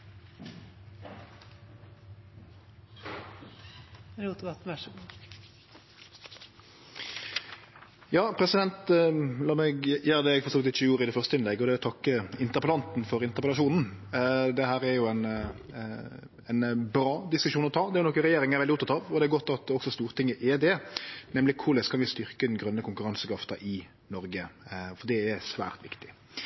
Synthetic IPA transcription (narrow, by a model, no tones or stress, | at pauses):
ɾut̪bɑt̪n̩ʋæʂɔɡ | jɑːpʰɾɛsɪd̪ɛnt̪lɑːmɛɡjæːɾd̪ɛːɛɡfɔsoːlɪt̪ɪt͡ʃːəjuːɾɪd̪ɛfœʁst̪əɪnlɛɡːɔd̪ɛt̪ʰɑkːəɪnt̪əʁpəlɑnt̪nfɔɾɪnt̪əʁpəlɑʂuːnn̩d̪ɛɦæːɾæɾjʊɛn | ɛnbɾɑːd̪ɪskʉʃʂuːnɔt̪ʰɑːd̪ɛæɾjʊnɔkːəɾɛjeːɾɪŋæɾʋɛlɪʊpt̪ɑt̪ɑːʋɔd̪ɛæɾɡɔt̪ːɑt̪ɔksɔst̪uːʁt̪ʰɪŋːəʔɛd̪ɛnɛmlɪkʰʊlɛskʰɑnʋɪst̪ʏɾkəɪd̪nɡɾœnːəkʊŋkʉɾɑnsəkɾɑft̪ɑʔɪ | nɔɾɡəfɔd̪ɛæsʋæ̰ːʁt̪ʋɪ̰kt̪ɪ̥